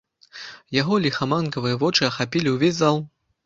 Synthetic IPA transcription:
jaɣɔlʲixamankɐvɨjɐvɔt͡ʂɨɐxapʲilʲiwvʲezʲzalˠ

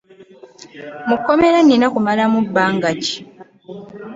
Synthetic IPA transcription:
mukːo̞me̞ɾanːinakumalamubːaːŋɡaci̥

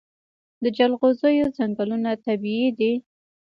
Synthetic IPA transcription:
d̪əd͡ʒalɣozəjozaŋɡalunat̪abiid̪i

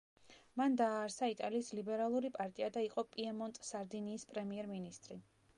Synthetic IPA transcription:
mand̪aːɾsait̪ʼaliːslibɛɾalˠuɾipʼaɾt̪ʼiad̪aiqʼɔpʼiɛmɔnt̪ʼsaɾd̪iniːspʼɾɛmiɛɾminist̪ʼɾi

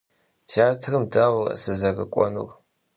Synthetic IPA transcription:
tʰiaːtʰrɨmdawʷrɐ̰sɨzɐrɨ̰kʷʼɔ̰nṵr

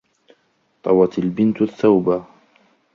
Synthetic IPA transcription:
t̪ˤɑwɑt̪albɪnt̪aθːawba

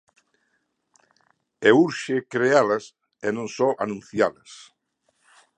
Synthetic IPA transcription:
euɾʃekɾealɐs | enõŋsɔʔanũnθjalɐs

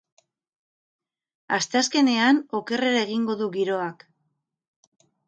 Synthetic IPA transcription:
ast̪easke̞ne̞ano̞ke̞re̞ɾae̞ɣ̞iŋɡo̞ðuɣiɾo̞ak

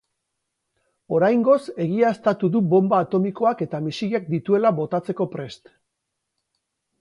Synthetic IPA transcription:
o̞ɾajŋɡo̞se̞ɣ̞iaest̪at̪uðubo̞mbaːt̪o̞miko̞ake̞t̪amisiliak̚d̪it̪ue̞laβo̞t̪at͡se̞ko̞pɾe̞st̪

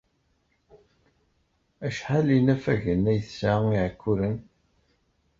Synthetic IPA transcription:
æʃħalinæfæʝənːæjθsaiʕkʰːuɾən

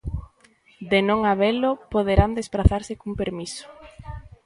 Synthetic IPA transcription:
d̪enõŋaβelʊpoðeɾand̪espɾaθaɾsɪkumpeɾmisʊ̥

